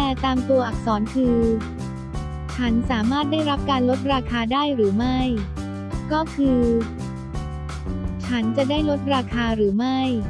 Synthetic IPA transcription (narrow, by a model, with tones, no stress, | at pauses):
t̪ɛː˧˩t̪aː˧mt̪u˧ɐʔa˨˩k̚sɔː˩˦nkʰɯː˧ | t͡ɕʰa˦˥nsaː˩˦maː˥˩t̪̚daː˥˩jɾa˦˥p̚kaː˧nlo˦˥t̪̚ɾaː˧kʰaː˧daː˥˩jɾɯː˩˦ma˥˩j | kɔː˥˩kʰɯː˧ | t͡ɕʰa˦˥nt͡ɕa˨˩daː˥˩jlo˦˥t̪̚ɾaː˧kʰaː˧ɾɯː˩˦ma˥˩j